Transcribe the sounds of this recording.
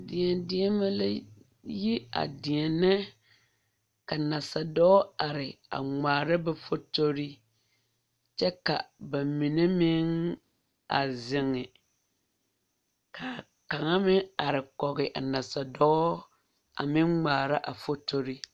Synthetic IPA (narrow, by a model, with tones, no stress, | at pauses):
dɪ˨ɛ˨ndɪ˦ɛ˦ma˦la˦ | ji˦a̰˨dɪ˨ɛ˨nɛ˦ | ka˨na˨sa˨dɔ˦a˨ɾɪ˨a̰˨ŋ͡maː˨ɾa˦bɛ˦fo˦to˦ɾi˦ | t͡ʃɛ˦ka˨ba˨mi˨ne˦mɪ˦ŋ | a̰˨zɪ˨ŋɪ˨ | ka˨ | ka˨ŋa˦mɪ˦a˨ɾɪ˨kɔ˨ɣɪ˨ʔa˨na˨sa˨dɔ˦ | a̰˨mɪ˦ŋŋ͡maː˨ɾa˦ʔa˨fo˦to˦ɾi˦